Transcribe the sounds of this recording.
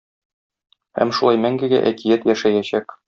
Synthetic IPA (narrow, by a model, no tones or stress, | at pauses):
hæ̰mʃulˠɑjmæŋɡɘɡæ̰ʔækijæt̪jæʃæjæɕæk